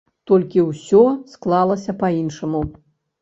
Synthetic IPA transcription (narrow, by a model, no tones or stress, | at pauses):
t̪ɔlʲkʲiwsʲɔsklˠalˠɐsʲɐpainʂɐmu